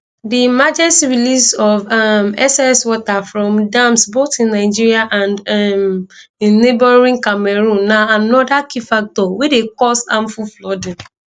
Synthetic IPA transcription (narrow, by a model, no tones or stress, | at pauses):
dimad͡ʒɛsɹilisɔvamɛ̰sɛswɔtafɹɔ̃mdãmsbotĩnːaɪd͡ʒiɹiaʔãnd | ĩnːebɔɹĩŋkamɛɹũnːaanɔdakifak̚tɔwedekɔsãmfuflɔdĩn